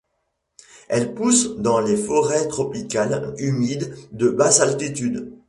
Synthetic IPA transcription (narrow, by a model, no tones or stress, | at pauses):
ɛlpusd̪ɑ̃lefɔʁɛt̪χɔpikalymid̪ːəbazalt̪it̪yd̪